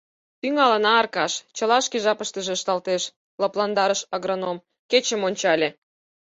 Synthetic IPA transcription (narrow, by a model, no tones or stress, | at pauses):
t̪yŋɑlə̆nɑːrkɑʃt͡ɕəlɑʃkeʒɑpəʃt̪ə̆ʒĕəʃt̪ɑlt̪eʃ | lɑplɑnd̪ɑɾəʃɑɣɾonom | ket͡ɕə̆monʲt͡ɕɑlʲĕ